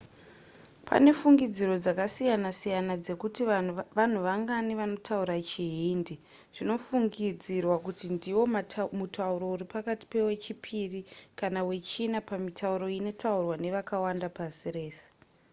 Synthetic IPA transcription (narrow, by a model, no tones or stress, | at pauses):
pʰa̰ne̞fuŋɡid͡ziro̞d͡zakasijanasijanad͡ze̞kutiʋan̤uʋaŋɡaniʋano̞tʰauɾat͡ʃiɦiːndi | ʐ̥ino̞fuŋɡid͡zirwakutindiwo̞mutauɾo̞uɾipakati̥pe̞we̞t͡ʃipʰirikanawe̞t͡ʃinapamitʰauɾo̞ino̞taurwane̞ʋakawandapasire̞ːse̥